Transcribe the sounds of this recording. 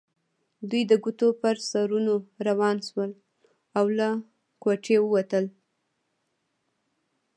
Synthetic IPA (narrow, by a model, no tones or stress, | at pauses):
d̪ujd̪əɡut̪opəɾsɑɾunoɾawɑnʃwəl | awla | koʈewəwat̪əl